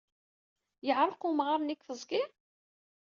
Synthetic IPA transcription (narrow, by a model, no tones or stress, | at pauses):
jəʕɾˤəqumʁɑɾˤnikfəzˤɡɪɾ